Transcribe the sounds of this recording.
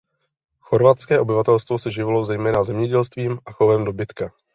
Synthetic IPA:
xo̞ɾvat̪skɛːʔo̞bɪvat̪ɛlst̪vo̞sɛʒɪvlo̞wzɛjmɛːnazɛmɲɛɟɛlst̪viːmʔaxovɛmdo̞bɪt̪ka

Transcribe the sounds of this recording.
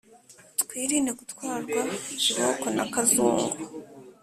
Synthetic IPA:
tkwiːɾineɡutwaːɾɡwaɾokona̰kazṵːŋɡu

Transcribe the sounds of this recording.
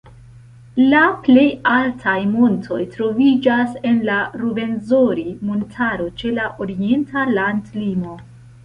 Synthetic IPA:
laple̞jaltʰajmo̞ntʰo̞̰jtɾo̞vid͡ʒase̞nlaɾube̞nzo̞ɾimontʰaɾo̞t͡ʃe̞laʔo̞ɾie̞ntʰalandlimo̞

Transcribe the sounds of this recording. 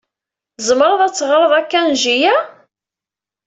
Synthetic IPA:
zˤmɾˤəðˤæt͡sːʁɾˤəðˤækːænʒijæ

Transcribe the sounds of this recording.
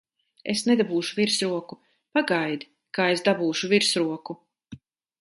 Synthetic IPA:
esned̪abuːʃuviɾsɾuɔku | paɡajd̪ | kaːesd̪abuːʃuviɾsɾuɔku

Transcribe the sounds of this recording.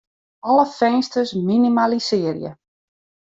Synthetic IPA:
ɔləfɛnstəsminimalisɪərjə̰

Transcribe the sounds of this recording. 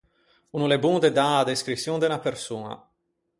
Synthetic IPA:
unulebund̪ed̪aːd̪eskɾit̪sːjund̪enapersuːna̰

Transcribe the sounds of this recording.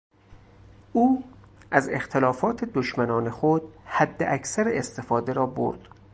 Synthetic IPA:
ʔuː | ʔæze̞̰xt̪ʰelɒːfɒːt̪ʰed̪oʃmænɒːne̞xod̪hæd̪ːḛʔæcʰsæɾeest̪e̞fɒːd̪e̞ɾɒːbo̰ɾd̪̥

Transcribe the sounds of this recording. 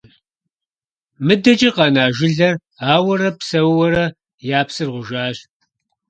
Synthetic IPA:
mɨdɐt͡ʃʼɪqɑnaːʒɪɮɐr | aːwɐɾɐpsɐwwɐɾɐ | jaːpsɨrʁʷʊʒaːɕ

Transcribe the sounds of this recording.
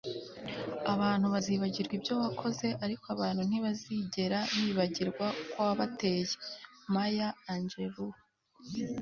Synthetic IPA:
aβaːn̥huβaziːβaɟiɾɡwibjo̞βakʰo̞ze̞ʔaɾikoaβaːn̥hun̥iβaziɟe̞ɾaβiβaɟiɾɡwakwoaβate̞ːjemajaːɲd͡ʒeβu

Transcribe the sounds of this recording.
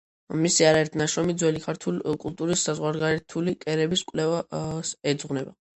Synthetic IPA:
misiaɾaɛɾt̪ʰnaʃɾɔmid̪zwɛlikʰaɾt̪ʰulkʼult̪ʼuɾisːazʁwaɾɡaɾɛt̪ʰulikʼɛɾɛbiskʼwlɛvasɛd̪zʁnɛba

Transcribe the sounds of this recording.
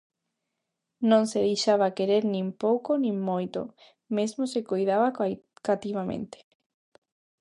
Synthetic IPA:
nõŋseðejʃaβakeɾeɾnĩmpowkonĩŋmojt̪o̰ | mezmosekojðaβakat̪iβamḛ̃nt̪e̥

